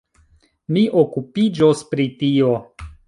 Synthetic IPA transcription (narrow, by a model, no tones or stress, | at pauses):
miʔokupid͡ʒospɾitio̞